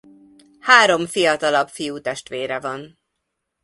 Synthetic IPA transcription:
haːɾo̞mfijɒt̪ɒlɒbfijuːt̪ɛʃt̪ʋeːɾɛvɒn

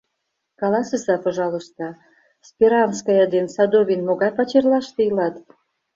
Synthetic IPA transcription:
kɑlɑsə̆sɑpŏʒɑlɤ̆ʃt̪ɑ | spʲeɾɑnskɑjɑd̪ensɑd̪ovʲinmoɣɑjpɑt͡ɕerlɑʃt̪ejilɑt̪

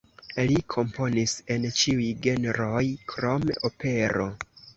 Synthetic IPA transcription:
likʰo̞mpo̞nise̞nt͡ʃiujɡe̞neɾo̞jkɾo̞meope̞ɾo̞̰

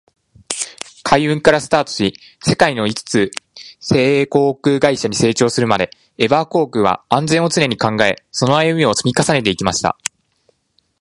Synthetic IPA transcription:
kʰaiɯ̟̃ŋkaɾasɨ̥t̪aːt̪o̥ɕi | se̞kaino̞it͡sɨ̥t͡sɨse̞ːeːko̞ːkɯ̟ːɡaiɕaɲ̟ise̞ːt͡ɕo̞ːsɨɾɯ̟mad̪e̞ | e̞baːko̞ːkɯ̟β̞a̰ãnd͡zẽ̞ɰ̃ot͡sɨne̞ɲ̟ikãŋɡae̞so̞no̞ajɯ̟mʲio̞t͡sɨmʲikasane̞t̪e̞ikʲimaɕi̥t̪a̰

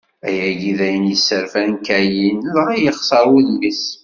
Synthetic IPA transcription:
æjæɡiðæjənjəsːəɾfænkæjinðʁæjəχsˤəɾˤwuðmis

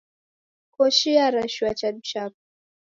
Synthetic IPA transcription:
kɔʃiaɾaʃuwat͡ʃad̩t͡ʃap̚u

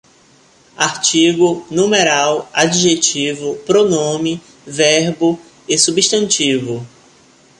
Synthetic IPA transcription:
aɾt͡ʃiɡʊnũmeɾawad͡ʒiʒet͡ʃivʊpɾonõmɪ | vɛɾbʊ | esubiʃt̪ɐ̃nt͡ʃivʊ

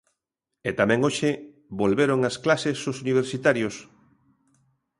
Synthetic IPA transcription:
et̪amɛ̃ŋoʃe | bolβeɾoŋasklasesosuniβ̞eɾsit̪aɾjos

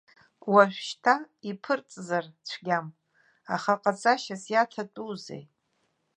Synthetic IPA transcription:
waʒᶣʷʃtʰa | ipʰɨrt͡sʼzart͡ɕʷʰɡʲam | aχaqʼat͡sʼaʃasjatʰatʼuzḛj

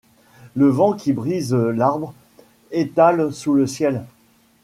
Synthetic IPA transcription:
ləvɑ̃kʲibʁizlaʁbʁ | et̪alsuləsjɛl

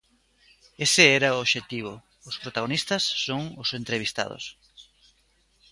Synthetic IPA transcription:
esɪɛɾɐʊoβʃet̪iβ̞ʊ | ʊspɾot̪aɣ̞onist̪ɐsːoŋʊsent̪ɾeβ̞ist̪a̰ð̞o̰s

